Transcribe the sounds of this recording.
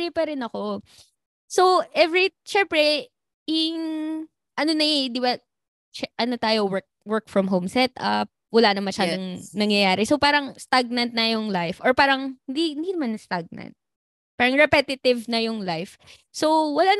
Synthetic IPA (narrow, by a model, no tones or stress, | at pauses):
ɪpɐɾɪnɐko̞ | so̞ʔɛvɹiʃɛmpɾɛ | ɪŋ | ʔɐnonɐʔd̪ɪba | t͡ʃɛʔɐnot̪aːjowɛɹk̚wɛɹk̚fɹɐmɦowmsɛt̪ʔɐ̰p̚wɐlanɐŋmɐʃaːd̪oŋnɐŋjɐjaːɾɛsopaːɾɐŋst̪aɡ̚nɐnt̪̚nɐjʊŋlajfʔoɹpaːɾɐŋhɪnd̪ihɪnd̪inɐmanst̪aɡ̚nɐ̰nt̪̚ | paːɾɐŋɹɛpɛt̪ɪt̪ɪvnɐjʊŋlajf | so̞wwɐlaːn